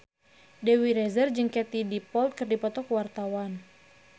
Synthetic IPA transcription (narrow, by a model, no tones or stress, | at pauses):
dɛwiɾɛzərd͡ʒəŋkɛt̪idipɔlt̪̚kɨrdipɔt̪ɔkwart̪awan